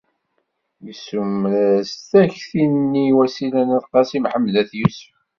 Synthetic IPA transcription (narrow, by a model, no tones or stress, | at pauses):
jəsumlæst̪æçθinnːiwæsilænæðqɑsimħəmːðæθjusə̥f